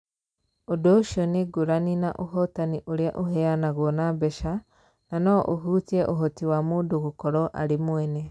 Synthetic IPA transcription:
odoʃoniɡuɾaninaʔoɦotaniʔuɾjaʔoɦeanaɣonabeʃa | nanoʔoɦutieʔoɦotiwamuduɣukoɾɔʔa̰ɾimwene

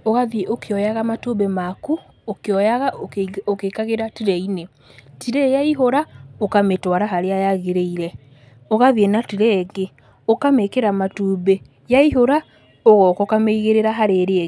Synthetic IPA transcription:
oɣaðieʔokeɔjaɣamatubemaku | okeɔjaɣaokekaɣeɾatiɾɛine | tiɾejaiɦoɾaokametwaɾaɦaɾeajaɣeɾeiɾɛ | oɣaðienatiɾɛːɣe | okamekeɾamatuːβe | jaiɦoɾa | ɔɣɔkokameiɣeɾeɾaɦaɾeɾe

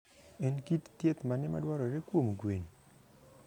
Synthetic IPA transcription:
ɛnkit̪tjet̪manɛma̰dwaɾɔɾekwomɡweni

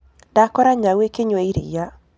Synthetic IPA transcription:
d̥akɔɾaŋawekeɲweiɾḭja

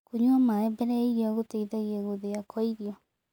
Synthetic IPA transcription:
koɲuamaɛbɛɾɛiɣeɔɣoteiðɛɣeeɣoðeakʰɔiɾiɔ

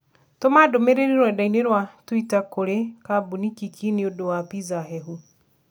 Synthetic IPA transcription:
tomadomeɾeɾiɾwadaineɾwatwitakoɾekabunikikʰineodowapizaɦɛɦu

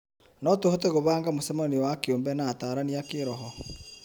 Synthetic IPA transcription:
nɔtohɔteɣoβaːŋɡamosɛmaniɔwakeoːmbɛnaːtaːɾaniakeɾɔɦɔ

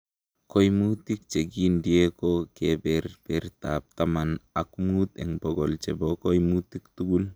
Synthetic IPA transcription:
kojmut̪ik̚t͡ʃeɡindiekokebɛɾpeɾta̰p̚t̪amanakumut̪eŋboɡolt͡ʃebokojmut̪ikt̪uɡul

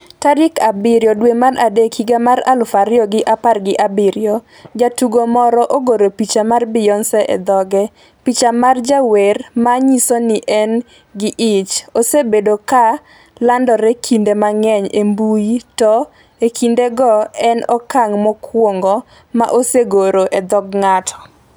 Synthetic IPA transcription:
taɾɪkabɪɾjɔdwemarʔadekʰiɡamaɾa̰lfaɾɪɔɡɪʔaparɡɪʔabɪɾjɔ | d͡ʒatuɡomɔɾɔʔoɡoɾopit͡ʃamarbɪjɔnsɛʔɛ̰d̪ɔɡɛ | pit͡ʃamard͡ʒawermaɲisonɪʔɛn | ɡɪʔɪt͡ʃosebedoka | landɔɾekʰindemaŋɛɲembujitɔ | ekʰindeɡɔɛnɔkaŋmɔkwoŋɡɔ | ma̰ʔoseɡoɾoʔed̪ɔɡŋatʰɔ̥

